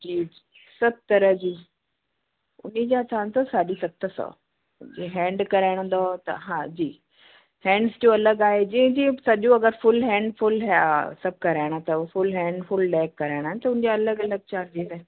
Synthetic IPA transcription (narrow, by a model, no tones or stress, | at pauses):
d͡ʑiːi | sɐb̚t̪ɐɾəɦd͡ʑiː | ʊ̰nid͡ʑãt̪ʰaːnt̪osaːɗisɐt̪əsɔ̰ː | d͡ʑeɦɛ̃ːɳɖkɐɾaːɪɽ̃ə̃nd̪ot̪ɐ̰ɦãːd͡ʑiː | hɛ̃ːɳɖsd͡ʑoɐləɡaːɦed͡ʑĩɦɪ̃d͡ʑĩsɐʄõɐɡəɾfʊlɦɛ̃ːɳɖfʊlɦsɐb̚kɐɾaːɪɽ̃at̪ɐfʊlɦɛ̃ːɳɖfʊlɖɛːkːɐɾaːɪɽ̃aːɪnɪt̪ɐʊ̃nɪ̃d͡ʑaɐləɡɐləɡ̚t͡ɕaːɾd͡ʑiːzaː